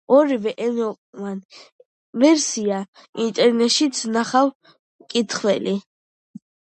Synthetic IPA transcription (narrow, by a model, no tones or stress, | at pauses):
ɔɾivɛʔɛnɔ | man | vɛɾsia | int̪ʼɛɾnɛt̪ʃit̪sʰnaχaw | kʼit̪ʰχwɛli